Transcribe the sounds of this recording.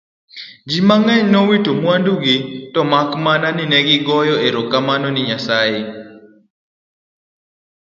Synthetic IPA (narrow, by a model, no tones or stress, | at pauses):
d͡ʒimaŋɛɲnɔwitomwanduɡitɔmakmananɪnɛɡɪɡɔjɔeɾɔkːamanɔnɪɲasae